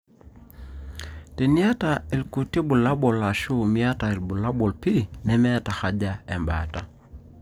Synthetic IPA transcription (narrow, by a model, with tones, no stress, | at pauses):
tɛ˨ni˦a˦ta˨i˨lku˨ti˦bu˨la˦ɓɔ˨la˨ʃu˦mi˦a˦ta˨i˨lbu˨la˦ɓɔ˨lpi˦˨nɛ˨mɛ˦ta˨xa˨ʄa˦ɛ˨mba̰˨ta̰˨